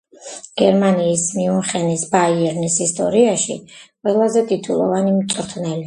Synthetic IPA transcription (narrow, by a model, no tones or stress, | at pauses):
ɡ̥ɛɾmaniːsmiuχɛnisbaiɛɾnisist̪ʼɔ̰ɾiaʃḭqʼwɛlˠazɛt̪ʼit̪ʰulˠɔ̰vanimt̪sʼɾt̪ʰnɛli